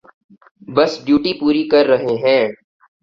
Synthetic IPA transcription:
bɐsɖjuːʈipuːɾikɐɾːɐɦeɦɛ̃ː

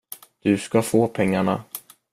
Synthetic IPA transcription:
d̪̥ɵskafoːpʰɛŋːaɳa̰

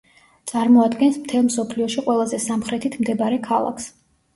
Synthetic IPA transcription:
t̪sʼaɾmɔad̪ɡɛnsmt̪ʰɛlˠmsɔpʰliɔʃiqʼwɛlˠazɛsamχɾɛt̪ʰit̪ʰmd̪ɛbaɾɛkʰalˠa̰kʰs

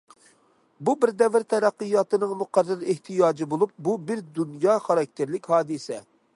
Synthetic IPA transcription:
bubɪɾd̪ɛvɪɾt̪ʰɛɾæqːɨjɑːt̪ɨnɨŋmuqærːɨɾeht̪ʰijɑːd͡ʒibolˠup̚bubɪɾd̪unjɑːχɑɾɑk̚ʲt̪ʰɪɾlɪkʲhɑːd̪ɨsɛ

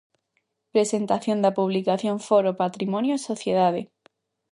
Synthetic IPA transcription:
pɾesent̪aθjõnd̪apuβlikaθjõɱfoɾopat̪ɾimõnjosoθjeðaðe

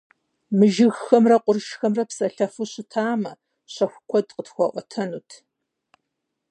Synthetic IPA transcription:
mɨʒɪɣxɐmrɐqʷʊrɨʃxɐmrɐpsɐɬɐfuɕɪtʰaːmɐ | ɕɐxʷʊkʷʰɔdqətxʷɔʔʷɔtʰɐnuːtʰ

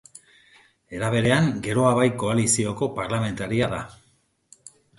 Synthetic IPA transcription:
e̞ɾaβ̞e̞ɾe̞aŋɡe̞ɾo̞aβajko̞alisio̞ko̞paɾlame̞nt̪aɾiaða

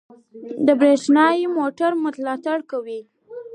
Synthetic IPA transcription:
d̪əbɾeʂnɑjmoʈaɾmʊt̪alɑt̪aɽkawi

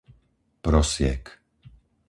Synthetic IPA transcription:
pɾɔsɪɛ̰k

